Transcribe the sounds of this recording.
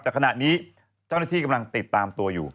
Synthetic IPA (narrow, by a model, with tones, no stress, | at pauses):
t̪ɛː˧˩kʰa˧na˧ʔniː˦ | t͡ɕɔne˧t̪ʰiː˧kɑmla˧ŋt̪ɨ˨˩t̪̚ːaːmt̪u˧əjṵː˩